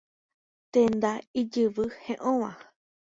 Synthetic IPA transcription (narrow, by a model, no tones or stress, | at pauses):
t̪ẽnd̪aid͡ʒɨʋɨhẽʔõʋã